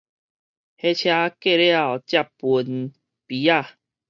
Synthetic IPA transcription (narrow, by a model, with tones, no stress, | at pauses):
he˧t͡ɕʰja˧ke˥˧lja˨wt͡ɕja˥˧pu˧n | pi˨˦a˥˧˨